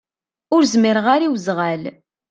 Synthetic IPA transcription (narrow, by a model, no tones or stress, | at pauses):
ʊɾzmɪɾʁaɾiwzʁæl